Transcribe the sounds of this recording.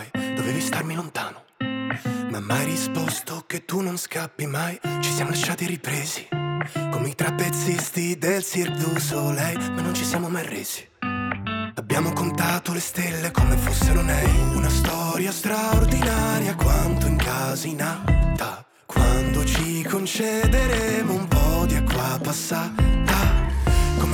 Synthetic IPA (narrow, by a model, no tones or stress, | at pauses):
jd̪̥oveːvist̪armilont̪a̰ːno | mamːajrispost̪ok̟et̪ːunːonskapːimajt͡ʃi̥sjaːmolaʃːaːt̪iripɾeːzi̥komit̪ɾapːet̪sːist̪id̪elsird̪usolɛjmanːont͡ʃisjaːmomajrḛːz̥i̥ | abːjaːmokont̪at̪olest̪elːekomefosːeɾonɛjunast̪ɔɾjast̪ɾaord̪inaɾjakwand̪oiŋkazainalt̪a | kwand̪ot͡ʃikʰont͡ʃed̪eɾemoumpɔd̪iakːwapːasːat̪a | kom